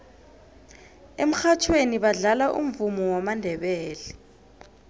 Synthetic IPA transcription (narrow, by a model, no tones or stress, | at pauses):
em̩xat͡ʃʰweniɓaɮalaʔṵɱvumɔwɔmandʱɛɓɛːlɛ